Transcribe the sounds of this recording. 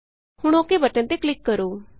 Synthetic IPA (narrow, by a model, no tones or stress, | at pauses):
hʊɽ̃oːkebʱəʈə̃nt̪eklɪkːəɾoː